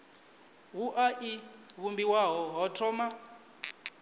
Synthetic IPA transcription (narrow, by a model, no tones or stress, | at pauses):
ɦuʔaʔiβumbiwaɦɔɦɔtʰɔma